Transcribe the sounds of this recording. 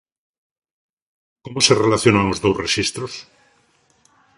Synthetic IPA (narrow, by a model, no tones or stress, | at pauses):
komose̞relaθjo̞nanozðowsresist̪ɾos